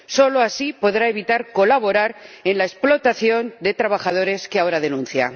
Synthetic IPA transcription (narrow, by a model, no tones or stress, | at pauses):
so̞loasipo̞ðɾae̞β̞it̪aɾko̞laβ̞o̞ɾaɾe̞nlae̞splo̞t̪aθjo̞nd̪e̞t̪ɾaβ̞axað̞o̞ɾe̞skeao̞ɾaðe̞nũn̟θja̰